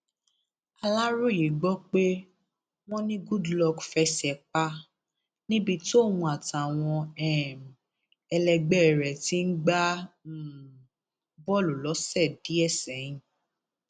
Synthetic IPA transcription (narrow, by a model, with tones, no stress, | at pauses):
a˧la˦ɾu˦˨ji˨ɡ͡bɔ˦k͡pe˦ | w̃ɔ̃˦nĩ˦ɡu˦dlɔ˧ɡfɛ˧sɛ˨k͡pa˦ | nĩ˦bi˧to˦˨wũ˧a˨ta˨w̃ɔ̃˧ɛ˦˨m˨ | ɛ˧lɛ˧ɡ͡bɛ˦˨ɾɛ˨ti˦n̩˦ɡ͡bã˦˨ | bɔ˦˨lo˨lɔ˨˦sɛ˦˨di˨˦ɛ˦˨sɛ˨˦j̃ĩ˨